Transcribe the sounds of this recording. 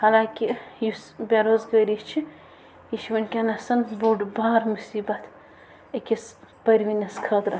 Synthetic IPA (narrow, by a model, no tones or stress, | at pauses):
hɐlaːkʲijusbʲaɾoːzɡəɾist͡ʃʰi | jiʃʋɐnʲkʲɐnɐsɐnbuɖbaːɾmusiːbɐt̪ʰ | ɐkʲis | pɐɾʲʋinʲɐskʰɐːd̪ɾɐ